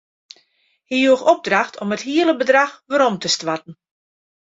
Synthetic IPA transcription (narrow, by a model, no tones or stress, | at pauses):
hijuəxɔb̚draxtʰɔməthiələbədraxʋəɾɔmtəstʋatn̩